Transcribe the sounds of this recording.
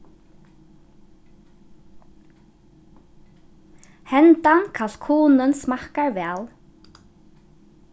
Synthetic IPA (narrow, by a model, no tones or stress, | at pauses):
hɛnt̪ankʰal̥kʰuːnʏnsmahkaɾvɛːl